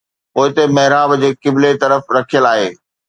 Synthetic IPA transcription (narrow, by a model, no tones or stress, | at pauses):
poːɪt̪emɐɦɾaːbd͡ʑeːkɪblet̪ɐɾəfɾɐkʰijəlaːɦeː